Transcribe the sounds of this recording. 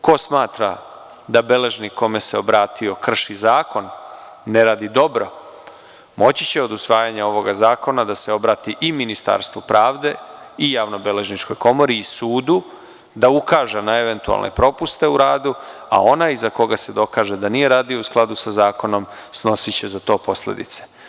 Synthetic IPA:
ko̞smaːt̪ɾa̰ | d̪abe̞le̞ʒniko̞me̞se̞obɾaːt̪ʰio̞kr̩ʃizaːko̞nː | e̞ɾaːd̪id̪o̞bɾo̞ | mo̞t͡ɕit͡ɕe̞o̞d̪usʋaːjaɲao̞ʋo̞ɡazaːko̞nad̪ase̞o̞bɾaːt̪iʔiminist̪a̰ɾst̪vupɾaːʋd̪e̞ | ijaːʋno̞bele̞ʒnit͡ʃko̞jko̞mo̞ɾiːsuːd̪u | d̪aukaːʒenae̞ʋe̞nt̪ua̰lnʔḛpɾo̞pust̪e̞uɾaːd̪ua̰o̞naizako̞ɡase̞d̪o̞kaːʒed̪anije̞ɾaːd̪iousklˠad̪usazaːko̞no̞m | sno̞sit͡ɕe̞zat̪oːpo̞slḛd̪ḭt̪se̥

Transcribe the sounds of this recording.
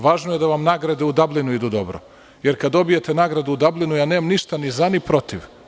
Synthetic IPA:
ʋaːʒnoje̞d̪aʋamnaːɡɾad̪eud̪ablˠinuid̪ud̪obɾo̰ | jeɾkad̪o̞bijet̪enaːɡɾad̪uud̪ablˠinujaːneːmamniʃt̪anizanipɾo̞t̪iʋ

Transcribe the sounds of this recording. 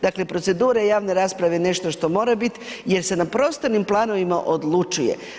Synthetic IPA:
d̪akle̞pɾo̞t̪se̞d̪uːɾajaːʋne̞ɾaːspɾaʋene̞ʃt̪o̞ʃt̪o̞mo̞ːɾabit̪je̞ɾse̞napɾo̞st̪animplˠaːno̞ʋimaʔo̞d̪lˠut͡ʃujḛ

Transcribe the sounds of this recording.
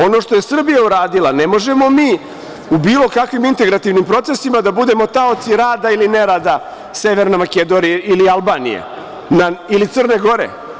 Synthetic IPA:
o̞no̞ʂt̪o̞je̞sr̩bijauɾaːd̪ilˠane̞mo̞ʒe̞mo̞miː | ubiːlˠo̞kakʋimint̪e̞ɡɾat̪iʋnimpɾo̞t̪se̞simad̪abud̪e̞mo̞t̪aot̪siɾaːd̪ailineɾad̪a | se̞ʋe̞ɾnamaked̪o̞niilialˠbaːnḭjḛ | nailit̪sɨr̩ne̞ɡo̞ɾḛ

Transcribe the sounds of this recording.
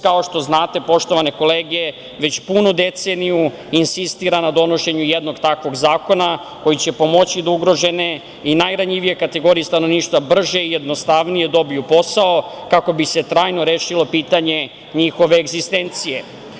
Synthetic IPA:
kaoʃt̪o̞znaːt̪e̞po̞ʃt̪o̞ʋane̞ko̞leːɡe̞ | ʋe̞t͡ɕpunud̪e̞t̪seːniju | insist̪iːɾanad̪o̞no̞ʃe̞ɲujed̪no̞ɡt̪akʋo̞ɡzaːko̞na | ko̞jit͡ɕe̞po̞mo̞t͡ɕid̪auɡɾo̞ʒe̞ne̞ | inajɾaɲiʋije̞kat̪e̞ɡo̞ɾijest̪anoniːʃt̪ʋabr̩ʒeijed̪no̞st̪aʋnije̞d̪o̞bijupo̞sao̞kako̞bise̞t̪ɾaːjno̞ɾeːʃilo̞piːt̪aɲe̞ | ɲixo̞ʋe̞ːɡzist̪e̞nt̪sije̞

